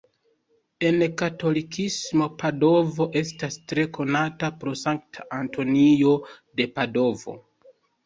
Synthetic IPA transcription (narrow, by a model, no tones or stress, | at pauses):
e̞nkato̞likʰismo̞pado̞vo̞ʔe̞stastɾe̞ko̞natapɾo̞saŋk̚tʰaʔanto̞nio̞ | de̞pado̞vo̞̰